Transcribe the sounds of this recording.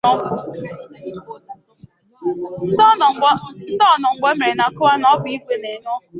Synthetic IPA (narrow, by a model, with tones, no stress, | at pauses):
ɔ˦kʊ˨˦˨ | n̩˦dɔ˦˨nɔ˨ŋ͡m̩˨ɡ͡be˦me˨ɾe˨na˨kʊ˦wa˦nɔ˦bi˦ɡʷe˨ne˨n˦ɔ˦kʊ˨